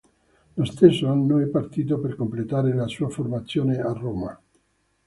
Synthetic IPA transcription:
lost̪esːoanːoɛpːart̪iːt̪̬operkomplet̪aːɾelasuːaformat̪sːjoːnearːoːma̰

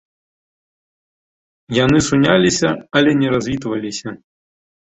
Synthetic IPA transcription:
janɨsunʲalʲisʲɐɐlʲɛnʲɛɾazʲvʲit̪vɐlʲisʲɐ

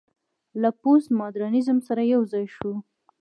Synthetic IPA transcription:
laposmɑd̪ɾɑnizəmsaɾajawzɑjʃu

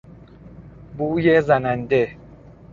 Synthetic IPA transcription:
bujezanande

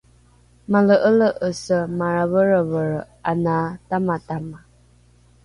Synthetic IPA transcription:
maləʔələʔəsəmaɾavəɾəvəɻʔanatamatama

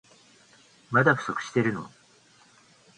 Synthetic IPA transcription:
mad̪aɸɯ̟̥sokɯ̟̥ɕi̥t̪e̞ɾɯ̟no̰

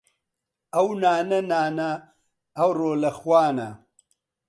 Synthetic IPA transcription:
ɐwnaːnɐnaːnɐː | wɾoːlɐxwaːnɐ̰

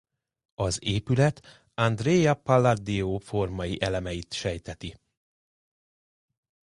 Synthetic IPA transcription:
ɒzeːpylɛt̪ | ɒnd̪reːjɒpalːad̪ioːfo̞rmɒjiʔɛlɛmɛjit̪ʃɛjt̪ɛt̪i

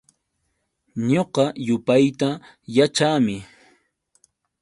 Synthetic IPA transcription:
ɲoqɑjʊpajt̪a | jat͡ʃaːmɪ

